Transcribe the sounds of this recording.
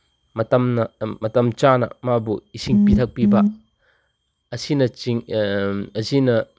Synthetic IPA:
mɐtɐmnɐmɐt̪ɐmt͡ʃaːnɐ̰mabuisiŋpit̪ʰɐk̚piba | ɐsinɐiŋ | ɐzinɐ

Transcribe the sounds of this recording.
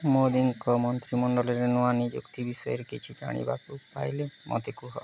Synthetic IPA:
mod̪iŋkɔmɔnt̪ɾimɔɳɖɔlɔɾenuanid͡ʒṵkt̪ibisɔjeɾkit͡ʃʰid͡ʒa̰ɽ̃ḭba̰kupa̰jlemʔɔ̰t̪ekuɦɔ

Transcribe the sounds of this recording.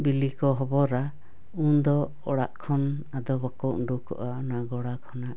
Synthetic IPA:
bilikɔɦɔbɔɾa | und̪ɔ | ɔɽa̰ʔkʰɔn | ad̪ɔbakɔɳɖukɔ̰ʔaɔnaɡɔɽakʰɔnaʔ

